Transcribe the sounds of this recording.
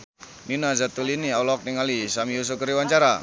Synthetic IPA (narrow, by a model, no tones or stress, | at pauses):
ninazat̪uliniawlɔk̚niŋalisamius̬ukəɾiwaɲt͡ʃaɾa